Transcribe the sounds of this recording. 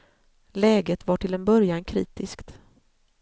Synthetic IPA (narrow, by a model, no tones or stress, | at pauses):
lɛːɡət̪vaʈʰɪlɛnbœɾjankʰɾḭːt̪ɪskt̪